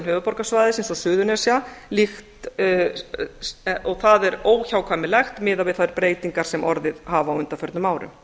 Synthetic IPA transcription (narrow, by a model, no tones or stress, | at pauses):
nhœːvʏpɔɾkasvaːjðɪsensɔsʏːðʏnɛsjalixt̪ | ɔɣθaðɛɾoːwçawkʰvamɪlɛxt̪mɪːðavɪðθaðɛɾpɾeːjt̪iŋkaɾ̥sɛmʔɔɾðɪðhaːvaːwʏnt̪afjœɾt̪nʏmaːwɾʏ̰m